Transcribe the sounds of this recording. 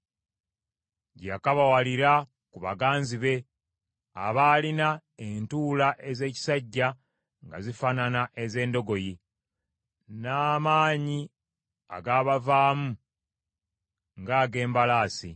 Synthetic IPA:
ɟakaβawaliɾa | kuβa̰ɡaːnziβe̞ | a̰βaːlinaentuːlaʔe̞ze̞ːci̥saɟːa | ŋɡa̰zifananaʔe̞ze̞ːndo̞ɡo̞ji | naːmaːɲi | a̰ɡaːβavaːmu | ŋɡaːɡe̞ːmbalaːsḭ

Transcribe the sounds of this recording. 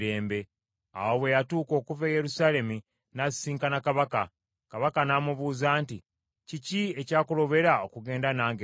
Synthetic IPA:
ɾe̞ːmbe̞ | a̰woβe̞jatuːko̞ːkuveje̞ɾusaːle̞mi | nasiːŋkanakaβaka | kaβakanaːmuβuːzaːnti | ciciecaːkulo̞βe̞ɾao̞kuɡe̞ːndanaːŋɡe

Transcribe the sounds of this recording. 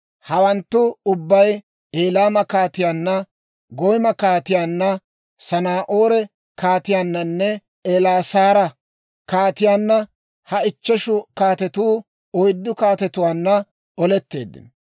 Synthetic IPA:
hɐwɐnt̪ːʊʊbːɐj | eːlaːmɐkaːt̪ɪjaːnːɐ | ɡɔjmɐkaːt̪ɪjaːnːɐ | sɐnaːʔoːɾɛ | kaːt̪ɪjaːnːɐnːɛ | eːlaːsaːɾɐ | kaːt̪ɪjaːnːɐ | hɐɪt͡ʃːɛʃʊkaːt̪ɛt̪uː | ɔjd̪ːʊkaːt̪ɛt̪ʊwaːnːɐ | ɔlɛt̪ːe̞̰ːd̪ːɪ̰n

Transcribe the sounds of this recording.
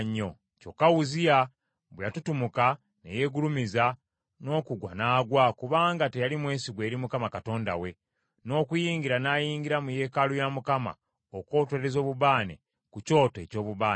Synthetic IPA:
ɲːo̞ | co̞kawuzija | βwejatutumuka | nḛje̞ɡulumiza | no̞ːkuɡwa̰naːɡwakuβaːŋɡate̞jalimwe̞ːnsiɡwe̞ːɾimukamakato̞ːnda̰we̞ | no̞ːkujiːɲɡiɾanaːjiːɲɡiɾamuje̞ːkalujamukama̰ | oko̞ːtweɾezo̞ːβuβaːnḛ | kuco̞ːtoe̞̰co̞ːβuβaːne

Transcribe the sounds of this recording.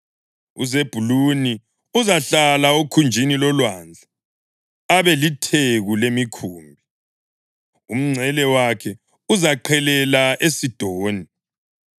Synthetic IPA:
ṵzeb̥ʱuluni | uzaɬalaokʰund͡ʒʱinilɔlwand͡ɮʱaː | βɛlitʰeɣulemikʰuːmbʱi | um̩ŋ͡ǀʱɛlɛwakʰɛ | uzaǃʰɛlɛlaesid̥ʱoːni

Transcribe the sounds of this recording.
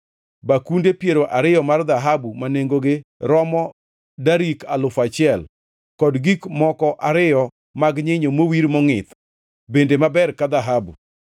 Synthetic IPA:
bakundepjeɾoʔaɾɪjɔmard̪aɦabumaneŋɡoɡeɾɔmɔ | daɾikalʊfat͡ʃɪɛl | kɔdɡikmɔkɔʔaɾɪjɔ | maɡɲɪɲomowiɾmɔŋɪt̪ | bendemabɛrkad̪aɦabṵ

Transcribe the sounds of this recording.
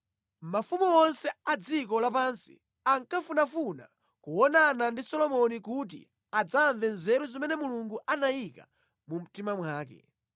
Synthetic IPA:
mafumɔɔnsɛad͡zikɔlapansi̥̰ | aŋkafunafuna̰ | kuɔnanandisɔlɔmɔnikut̬ḭ | ad͡zaːɱvɛnzɛɾuzimɛnɛmuluŋɡuʔanajika | mum̩timamwaːk̬ɛ̰

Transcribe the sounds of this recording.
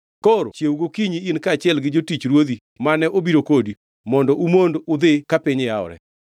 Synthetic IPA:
koɾo̰t͡ʃjeuɡokiɲiinkat͡ʃɪɛlɡɪd͡ʒotit͡ʃɾwod̪i | manɛʔobiɾokodi | mɔndɔʔumondʊd̪ɪkapɪɲɪaɔ̰ɾɛ̰

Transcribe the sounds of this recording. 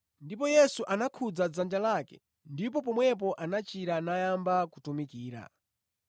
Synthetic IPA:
ndipɔjɛsuʔanakʰud͡zad͡zand͡ʒalakɛ̰ | ndip̬ɔpɔmwɛp̬ɔʔanat͡ʃiɾanajambakutumikiːɾa̰

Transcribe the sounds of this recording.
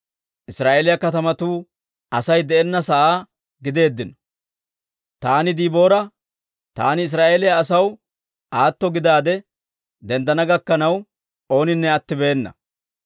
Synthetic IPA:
ʔɪsɾaːʔeːlɪjɐkɐt̪ɐmɐt̪uː | ʔɐsɐjd̪ɛʔɛnːɐsɐʔaː | ɡɪd̪e̞ːd̪ːɪnɔ̥ | t̪aːnɪd̪iːbo̞ːɾɐ | t̪a̰ːnɪɪs̬ɾaːʔeːlɪjaːsɐw | ʔaːt̪ːɔɡɪd̪aːd̪ɛ | d̪ɛnd̪ɐnɐɡɐkːɐnɐw | o̞ːnɪnːɛɐt̪ːɪbeːnːɐ̰

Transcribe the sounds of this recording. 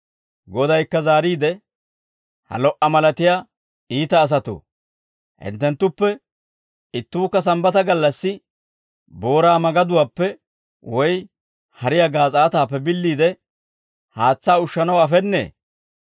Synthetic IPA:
ɡɔd̪ɐjkːɐzaːɾiːd̪ɛ | hɐ̰lɔʔɐmɐlɐt̪ɪja | iːt̪ɐːs̬ɐt̪o̰ː | hɪ̰nt̪ːɛnt̪ːʊpːɛ | ɪt̪ːuːkːɐs̬ɐmbɐt̪ɐɡɐlːɐsːɪ | bo̞ːɾaːmɐɡɐd̪ʊwaːpːɛ | wɔj | hɐɾɪjaɡaːt͡sʼaːt̪aːpːɛbɪlːiːd̪ɛ | haːt͡sːaːʊʃːɐnɐwɐfɛnːḛː

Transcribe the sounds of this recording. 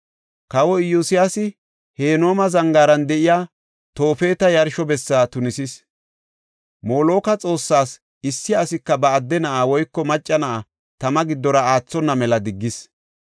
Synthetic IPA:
kɐwɔɪjusɪjasɪ | he̞ːno̞ːmɐzɐŋɡaːɾɐnd̪ɛʔɪjaː | t̪o̞ːfe̞ːt̪ɐjɐɾʃɔbɛsːaːt̪ʊnɪsɪs | moːlo̞ːkɐt͡sʼo̞ːsːaːs | ɪsːɪɐsɪkːɐbɐːd̪ːɛnɐʔawɔjkːɔmɐt͡ʃʼːɐnɐʔa | t̪ɐmɐɡɪd̪ːɔɾɐaːt͡sːɔnːɐmɛlɐd̪ɪɡːɪs

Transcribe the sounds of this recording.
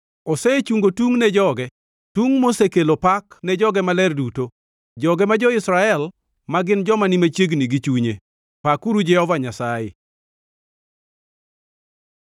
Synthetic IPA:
ɔsɛt͡ʃuŋɡotuŋnɛd͡ʒɔɡɛ | tuŋmosekelopaknɛd͡ʒɔɡɛmalɛrduto | d͡ʒɔɡɛmad͡ʒɔɪsɾaɛl | maɡɪnd͡ʒɔmanimat͡ʃjeɡniɡit͡ʃuɲe | pakuɾud͡ʒɛhɔvaɲasajɪ̰

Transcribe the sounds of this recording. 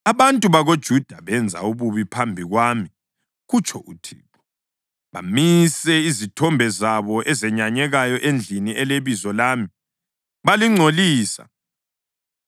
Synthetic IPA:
aβantʼuβaɣod̥ʒ̥ʱud̥ʱaβɛnd͡zʱa̰uβuβipʰambʱiɣwaːmi | ɣut͡ʃʼʰɔʔutʰiːpʰɔ̥ | βa̰misɛizitʰɔmbʱɛzaβɔʔɛzɛɲaɲɛɣajɔʔend͡ɮʱiniɛleβizɔlaːmi | βaliŋ͡ǀʱoliːsa̰

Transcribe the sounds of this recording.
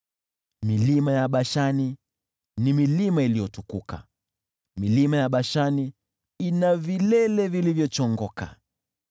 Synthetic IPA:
milimajaɓaʃani | nimilimailijɔtukuka̰ | milimajaɓaʃani | inavilɛlɛvilivjɔt͡ʃɔŋɡɔka̰

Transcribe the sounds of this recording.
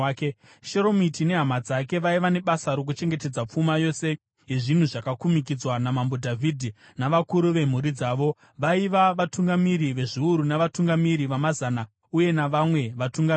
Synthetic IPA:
ke | ʃeɾo̞mitine̞ɦamad͡zake̞ʋaiʋane̞ɓasaɾok̬ut͡ʃe̞ŋɡe̞te̞d͡zap͡fumajo̞se̞ | ɦeʐin̤uʐakakumik̬id͡zwanamambo̞dʱavʱidʱi | naʋakuɾuʋe̞m̤uɾid͡zaːʋo̞ | ʋaiʋaʋatuŋɡamiɾiʋe̞ʐiuɾunaʋatuŋɡamiɾiʋamazana | uje̞naʋamwe̞ʋatuŋɡami

